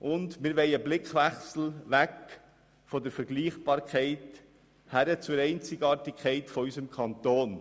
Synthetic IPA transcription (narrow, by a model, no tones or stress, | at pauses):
ʔʊndmɪɾʋɛɪəblɪkʋæχsl̩ʋæk | fɔd̪əɾfəɾɡliːχb̥ɑːɾkʰɛɪt | hæɾət͡suɾɛɪnt͡sɪɡɑːɾtɪkʰχɛɪtfɔysəmkʰɑnt̪oːn